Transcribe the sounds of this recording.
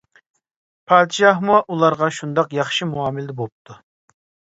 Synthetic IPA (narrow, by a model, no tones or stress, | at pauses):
pʰɑːd̪ʃɑhmuʔulˠɑɾʁɑʃund̪ɑqjɑχʃimuɑːmɪlɪd̪ɛbop̚t̪ʰu